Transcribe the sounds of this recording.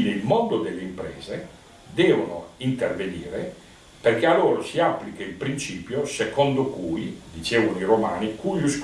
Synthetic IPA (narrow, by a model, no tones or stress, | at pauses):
neilmond̪od̪elːeimpɾɛ̰ːze | d̪ɛːvonoint̪ervenḭːɾe | perkealoːɾosiapːlikeilpɾint͡ʃiːpjosekɔnd̪okuːjd̪it͡ʃeːvonoiɾoma̰ːnikujusk